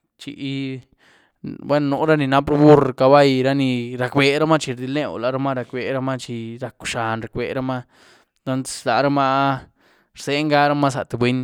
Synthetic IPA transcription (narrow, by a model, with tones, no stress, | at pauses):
t͡ʃḭ˨˦ | bwe˦nː˧o˨ɾa˦ni˧na˦pɾbu˦ɾka˧ba˦jɾa˦ni˧ɾa˨˧kbe˨˦ɾa˦ma˦t͡ʃi˧ɾd̪i˧le˦w̰la˨ɾa˦ma˦ɾa˧kbe˨ɾa˦ma˦t͡ʃi˧ɾa˨ku̥˨ʂa˨nɾa˨kʷbe˨ɾa˦ma˦ | t̪o˦n̥˦la˨ɾa˦ma˦ | ɾse˦ŋɡa˦ɾa˦ma˦s̬a̰˨t̪e˨bʷwe˦ɲ